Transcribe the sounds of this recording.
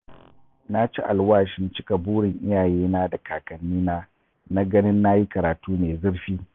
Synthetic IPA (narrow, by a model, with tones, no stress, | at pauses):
na˦t͡ʃi˦ʔa˨lwaː˦ʃɪ˨nt͡ʃɪ˦ka˨buː˦ɽɪ˨ŋʔɪ˦jaː˨jeː˦naː˦da˨kaː˨kɐ˨nːiː˦naː˦ | na˦ɡɐ˦nɪ˦nːa˦ji˦kɐ˨ɾaː˨tuː˦neː˨zɪ˦ɽɸiː˦